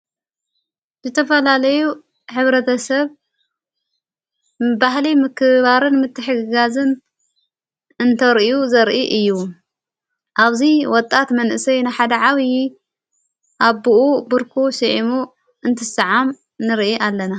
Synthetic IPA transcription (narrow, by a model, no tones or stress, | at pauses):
zɨt̪ʰɐfɐlalɐju | ħɨβɾɐt̪ʰɐsɐβ | bahlimɨkʰɨβaɾɨnmɨt̪ʰːɨħɨɡɨɡazɨn | ɨnt̪ʰɐɾʔjuzɐɾʔiʔɨjːu | ʔaβziwɔt̪ʼːat̪mɐnʔɨsɐjnajħad̪ɐʕaβi | ʔaβbuʔubɨɾkʰusɨʕimu | ɨnt̪ʰɨsɨʕam | nɨɾʔiʔalːɐna